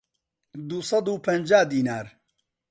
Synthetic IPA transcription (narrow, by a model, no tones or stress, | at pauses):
d̪usɑd̪uːpʰɐnd͡ʒaːd̪iːnaːɾ